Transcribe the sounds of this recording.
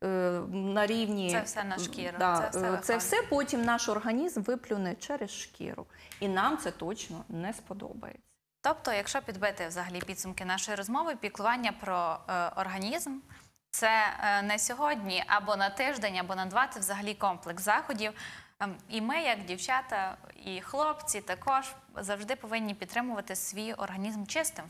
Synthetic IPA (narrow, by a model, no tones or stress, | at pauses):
nɐɾʲiwnʲisɛwsɛnɐʃkʲiɾd̪ɑsɛwsɛpɔtʲimnɑʃɔrɦɐnʲizmʋɪplʲʊnɛt͡ʃɛɾesʃkʲɪ̰ɾʊ̰inɑmt̪sɛt̪ɔt͡ʃnɔnɛspɔd̪ɔ̰bɐ̰jḛt͡sʲːɐ̥t̪ɔpt̪ɔjɐkʃt͡ʃɔpʲid̪bɪt̪ɪwzɐɦɐlʲipʲid̪sʊmkɪnɑʃɔjiɾɔzmɔʋɪpʲiklˠʊʋɑnʲːɐpɾɔɔrɦɐnʲizm | t̪sɛnɛsʲɔɦɔdʲnʲiʔɐ̰bɔnɐt̪ɪʒd̪ɛnʲɐbɔnɐd̪ʋɑt̪ʲɪwzɐɦɐlʲikɔmplˠɛksɑxɔdʲiw | imɪjɐɡdʲiwt͡ʃɑt̪ɐixlˠɔpt͡sʲit̪ɐkɔʒ̥ | zɐwʒd̪ɪpɔʋɪnʲːipʲid̪t̪ːɾɪmʊʋɐt̪ɪsʋʲijɔ̰rɦɐnʲizmt͡ʃɪst̪ɪm